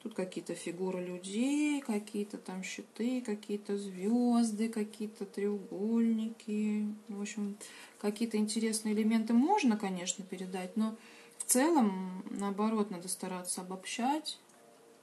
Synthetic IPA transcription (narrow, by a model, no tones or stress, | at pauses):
t̪ut̪kɐkʲijət̪əfʲɪɡuɾɨlʲʉdʲejjkɐkʲijət̪ət̪amɕːɪt̪ɨkɐkʲijət̪əzvʲozd̪ɨkɐkʲijət̪ət̪ɾʲɪʊɡolʲnʲɪkʲɪvopɕːɪmkɐkʲijət̪əɪnʲtʲɪɾʲe̞snɨəɪlʲɪmʲe̞nt̪ɨmo̞ʐnəkɐnʲe̞ʂnəpʲɪɾʲɪd̪atʲno̞ft̪sɛlˠəmnəɐbɐɾo̞t̪nad̪əst̪ɐɾat̪səɐbɐpɕːætʲ